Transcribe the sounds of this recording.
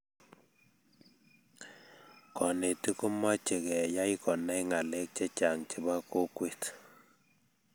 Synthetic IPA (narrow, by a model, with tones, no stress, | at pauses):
kɔ˨ne˨ti˦ku˦mɔ˦t͡ʃe˨kɛ˨ja˦i˦kɔ˨na˦iŋa˨le˦k̚t͡ʃɛ˦t͡ʃa˨ŋt͡ʃi˨ba˦ko˦kwe˦t